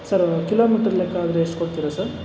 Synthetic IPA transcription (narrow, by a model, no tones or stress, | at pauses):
sɐɾkiloːmiːʈɐɾɐlekːaːd̪ɾeeʂʈkoɽt̪iɾosɐɾ